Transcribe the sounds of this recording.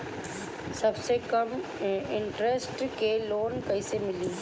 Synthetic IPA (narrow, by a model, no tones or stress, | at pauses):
sɐbsekɐmɪɳʈɾesʈkeloːnkɐɪsemɪlĩː